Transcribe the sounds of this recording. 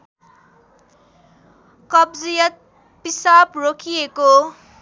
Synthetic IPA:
kʌbd͡zijʌt̪̚ | pisaprokʰijeko

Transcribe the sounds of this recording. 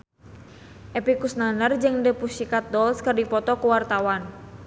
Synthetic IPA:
ʔɛpikusnanərd͡ʒɨŋdəpusikat̪̚dɔlskərdipɔt̪ɔkuwart̪awan

